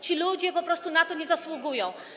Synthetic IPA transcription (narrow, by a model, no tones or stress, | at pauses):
t͡ʃilʲud̪iɛpopɾɔst̪unat̪ɔnɛzaslˠuɡujɔw